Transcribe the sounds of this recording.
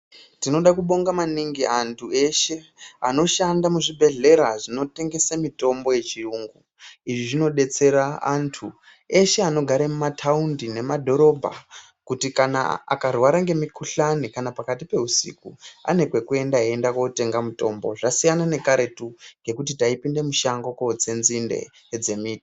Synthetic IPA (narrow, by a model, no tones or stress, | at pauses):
tino̞ɗakuɓo̞ŋɡamaniŋɡiantʰue̞ʃe̞ano̞ʃandamuʐibʱe̞ɮe̞ɾaʐino̞te̞ŋɡe̞samito̞mbo̞je̞t͡ʃiruːŋɡu | iʐiʐino̞ɗe̞t͡se̞ɾaantʰu | e̞ʃeano̞ɡʱaɾamumatʰaundine̞madʱo̞ɾo̞bʱa̰ | kutikana̰a̰karwaɾaŋɡe̞mikuɬanikanapakatipe̞usḭkua̰ne̞kwe̞kue̞ndaendakwote̞ŋɡamuto̞mbo̞ʐasijanane̞kaɾe̞tuŋɡe̞kutitaipinde̞muʃaŋɡokod͡ze̞nzindḛ | d͡ze̞miːti